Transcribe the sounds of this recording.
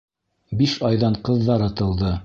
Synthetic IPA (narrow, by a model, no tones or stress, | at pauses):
biʃɑjðɑɴqɤ̆ðːɑɾŏt̪ɤ̆lˠd̪ɤ